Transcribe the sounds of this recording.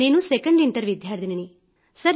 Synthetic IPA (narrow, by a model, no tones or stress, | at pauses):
eːnusekɐɳɖiɳʈɐɾʋid̪ʱjaːɾd̪inini | sɐɾ